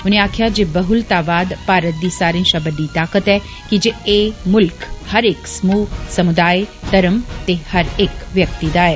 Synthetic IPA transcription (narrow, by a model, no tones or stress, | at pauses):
ʊneaːkʰjad͡ʒeːbəɦʊlt̪aːʋaːd̪paːɾət̪̚d̪isaːɾẽnʃabəɖit̪aːkət̪ɛ | kid͡ʒeemʊlkhɐɾeːksmuːsɐmud̪aːjt̪ɐɾəmt̪ehɐɾeːkʋjəkt̪id̪aːe